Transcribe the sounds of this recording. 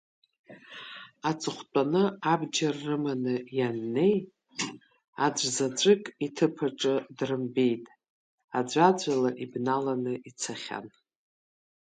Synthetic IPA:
at͡sʼɨχʷt͡pʷʼanɨabd͡ʒarːɨmanɨjanːe̞j | ad͡ʒʷzad͡ʒʷɨkʼitʰɨpʰaʈ͡ʂʼɨdrɨmbejtʼ | ad͡ʒʷad͡ʒʷalaʔibnalanɨʔit͡sʰaχʲa̰n

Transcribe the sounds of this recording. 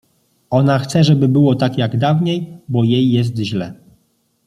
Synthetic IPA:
ɔnaxt̪sɛʐɛbɘbɘwɔt̪akjaɡd̪avɲejbɔjejːɛs̬t̪ʑlɛ

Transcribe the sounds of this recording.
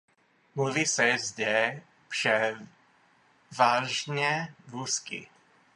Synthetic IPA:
muvisɛzd̪ɛ | pʃɛ | vaʒɲɛvuskḭ

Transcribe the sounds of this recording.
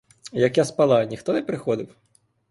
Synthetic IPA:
jɐkjaspɐlˠɑnʲixt̪ɔnɛpɾɪxɔd̪ɪw

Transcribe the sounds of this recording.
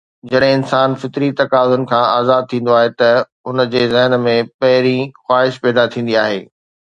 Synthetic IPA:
d͡ʑɐɗ̃ɦɪ̃ɪnsaːnfɪt̪ɾit̪ɐkaːzʊnɪ̆kʰãaːzaːd̪̚t̪ʰĩːn̆d̪oaːɦet̪ɐ | ʊnəd͡ʑeːzɐɦnmẽpɐɦɪɾĩxwaːɦɪʃpɛːd̪at̪ʰĩːn̆d̪iaːɦeː

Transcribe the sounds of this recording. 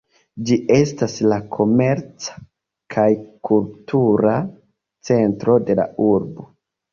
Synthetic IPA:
d͡ʒiʔe̞staslakʰo̞me̞ɾt͡sḁ | kʰajkultuɾa | t͡se̞ntɾo̞de̞la̰uɾbo

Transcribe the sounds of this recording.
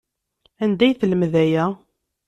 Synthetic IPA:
ænd̪æjθələmðæjæ

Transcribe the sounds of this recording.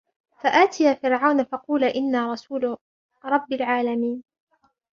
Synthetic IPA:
faʔaːt̪ʰɪjaːfɪɾʕawnafɑquːlaʔɪnːaːɾˤɑsuːl | ɾˤɑbːalʕaːlamiːn

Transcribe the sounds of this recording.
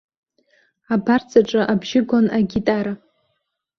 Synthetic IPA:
abart͡sʼaʈ͡ʂʼaʔabʒɪɡʷonaɡʲitʼaɾa

